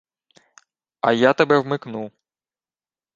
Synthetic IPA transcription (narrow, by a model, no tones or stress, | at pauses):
ɐjat̪ebɛwmɪknu